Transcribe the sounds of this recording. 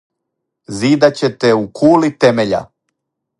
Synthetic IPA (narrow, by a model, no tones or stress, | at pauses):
ziːd̪at͡ɕet̪eukʰuːlit̪emeʎa̰